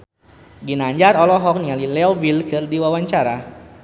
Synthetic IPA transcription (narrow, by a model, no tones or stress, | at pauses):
ɡinaɲd͡ʒaɾɔlɔɦɔk̚nialilɛɔbilkɨrdiwawaɲt͡ʃaɾa